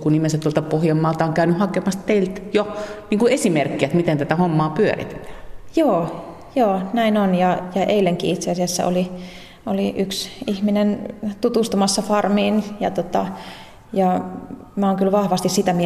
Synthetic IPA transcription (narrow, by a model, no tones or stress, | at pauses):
kunnimensæt̪t̪uolt̪ɑpohjɑmːɑːlt̪ɑoŋkæynyhɑkemɑst̪t̪eilt̪joniːŋkuesimerkːiæt̪mit̪ent̪æt̪æhomːɑːpyø̰ɾḭt̪e̥t̪æ̥ːjoː | joːnæinonjɑjɑʔeileŋkḭit̪seɑsiæsːæ̰ʔo̰li | oliʔyksihminent̪ut̪ust̪umɑsːɑfɑrmiːnjɑt̪ot̪ɑ̰ | jɑ | mæoːŋkylʋɑhʋɑst̪issit̪æmi